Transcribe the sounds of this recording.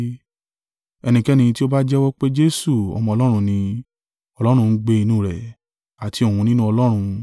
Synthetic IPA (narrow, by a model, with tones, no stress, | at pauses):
ɛ˧nĩ˧kɛ˦nĩ˧ti˦o˦ba˦d͡ʒɛ˦wɔ˦k͡pe˦d͡ʒe˦su˦˨ɔ̰˧mɔ̃˧ɔ˧lɔ˦ɾ̃ũ˧nĩ˧ | ɔ˧lɔ˦ɾ̃ũ˧n̩˦ɡ͡be˦˧i˧nũː˦˨ɾɛ̰˨ | a˨ti˨˧o˨ũ˨˧nĩ˦nũ˦ɔ˧lɔ˦ɾ̃ũ˧